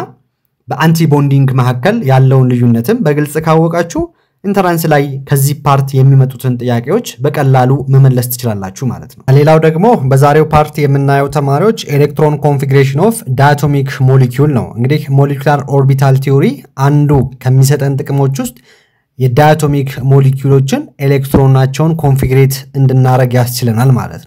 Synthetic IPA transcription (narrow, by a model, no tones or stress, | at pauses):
bəʔant̪ʰibo̞nd̪iŋɡməɦakːəljalːəwunlɨjːunːət̪ʰɨmbəɡɨlsʼkʰawːɔkʼat͡ʃːuh | ʔɨnt̪ʰəɾanslajkʰəzːihpʰaɾt̪ʰijɛmːimət̪ʼut̪ʰɨnt̪ʼɨjːakʼe̞wo̞t͡ʃːbəkʼəlːaluməməlːəst̪ʰɨ̥t͡ʃɪlalːa̰t͡ʃːuhma̰lət̪nəwle̞lawd̪əɡmo̞bəzaɾe̞wpʰaɾt̪ʰijɛmːɨnːajɛwt̪ʰəmaɾiwo̞t͡ʃːelek̚t̪ɾo̞nkʰo̞nfiɡɾeʃ̬ɪno̞fd̪ajat̪ʰo̞mikmo̞lekʰjulnə̰wɨ̰ŋɡɨd̪ihmo̞lekulaɾo̞ɾbit̪ʰalt̪ʰio̞ɾiʔand̪ukʰəmːis̬ət̪ʼənt̪ʼɨkʼɨmo̞t͡ʃːwʊst̪ʼ | jɛd̪ajat̪ʰo̞mikmo̞lekʰjulo̞t͡ʃːɪne̞lekt̪ɾo̞nat͡ʃːɛwnkʰo̞nfiɡɾe̞t̪ɨnd̪ɨnːaɾəɡjast͡ʃɪlənalma̰lə̰t̪nəw